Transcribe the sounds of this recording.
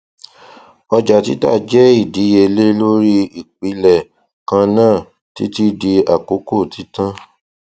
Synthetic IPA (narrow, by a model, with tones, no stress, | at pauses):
ɔ˧d͡ʒa˨ti˦ta̰˦˨d͡ʒɛ˦i˦˨di˨˦je˧le˦lo˦ɾi˦i˨k͡pi˧˦lɛ˨ | kã˧nãː˦˨ | ti˦ti˦di˧a˨ko˨˦ko˦˨ti˨˦tã˦